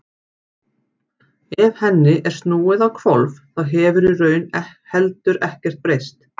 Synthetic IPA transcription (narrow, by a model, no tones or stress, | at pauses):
ɛv̥hɛnːɪʔɛɾ̥st̪nuːɪðawkʰvɔlvθaðɦɛːvʏɾirœːɥnɛhɛlt̪ʏɾɛhcɛr̥t̪̚pɾejst̪